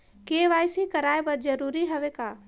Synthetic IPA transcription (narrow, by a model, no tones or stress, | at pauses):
keːʋaːjsikɐɾaːebɐɾd͡ʒɐɾuːɾiɦɐʋekaː